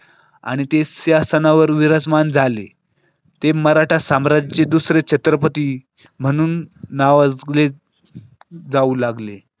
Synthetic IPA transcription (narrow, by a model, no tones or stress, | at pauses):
a̰ɽ̃it̪esjasənaʋəɾʋiɾad͡zmand͡zʱalḛ | t̪eməɾaʈʰasamɾad͡zt͡ɕed̪usɾet͡ɕʰət̪ɾəpət̪iː | m̤əɽ̃uːnːaʋaɡle | d͡zauːlaɡle